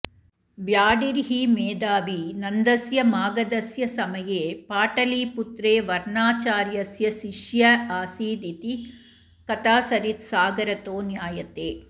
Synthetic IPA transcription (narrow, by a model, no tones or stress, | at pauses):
ʋjaːɽiɾɦimeːd̪aːʋinɐnd̪ɐsjɐmaːɡɐd̪ɐsjɐsɐmɐjeːpaːʈɐliːput̪ɾeːʋɐɾɳaːt͡ʃaːɾjɐsjɐʃiʃjɐaːsiːd̪it̪i | kɐt̪aːsɐɾit̪saːɡɐɾɐt̪oːnjaːjɐt̪eː